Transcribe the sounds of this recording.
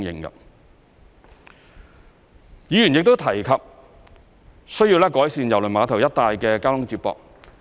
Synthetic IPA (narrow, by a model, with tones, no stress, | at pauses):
ŋjɪ̰˧ŋkɐ̰˧ | jiː˨˧jy˨˩njɪ˨k̚t̪o˥wt̪ʰɐ˨˩jkʰɐ˨p̚ | sɵ˥ɥji˧wlɛː˥kɔː˨˥jsiː˨˧njɐ˨˩wlɵ˨˩maː˨˧t̪ʰɐ˨˩wjɐ˥t̚t̪aː˨˧jkɛː˧kaː˥lʊ˥ŋt͡siː˧p̚pɔ̰ː˨k̚